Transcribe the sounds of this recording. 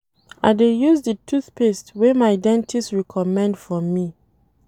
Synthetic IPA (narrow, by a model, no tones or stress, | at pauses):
a̰ɪdejuzdətʰuθpestwemaɪdɛ̃ntʰistɹɛkʰɔmɛ̃ndfɔmi